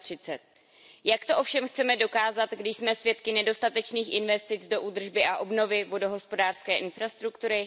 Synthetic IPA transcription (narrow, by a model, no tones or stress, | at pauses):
t̪r̝̥ɪt͡sɛt̪̚ | jakt̪o̞ʔo̞fʃɛmxt͡sɛmɛdo̞kaːzat̪ɡdɪʃsmɛsvjɛt̪kɪnɛdo̞st̪at̪ɛt͡ʃniːxʔɪnvɛst̪ɪt͡sdo̞ʔud̪r̩ʒbɪʔaʔo̞bno̞vɪvo̞do̞ɦo̞spo̞daːr̥skɛːʔɪnfɾast̪ɾukt̪uɾɪ